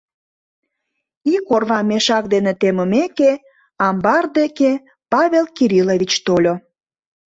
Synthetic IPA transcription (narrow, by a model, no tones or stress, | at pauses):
ikorβɑmeʃɑk̚d̪enet̪eməmeke | ɑmbɑrd̪eke | pɑβelkiɾiloβit͡ɕt̪olʲo